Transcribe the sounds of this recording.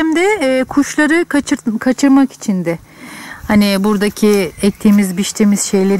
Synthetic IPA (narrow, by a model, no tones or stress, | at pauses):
md̪ɛkʰuʃlˠaɾɯkʰat͡ʃkʰat͡ʃʰɯɾmaki̥t͡ʃʰind̪ɛ | hanibuɾd̪acʰiɛc̚t̪ʰimizbiʃt̪ʰimiz̥ʃe̞jlʲeɾ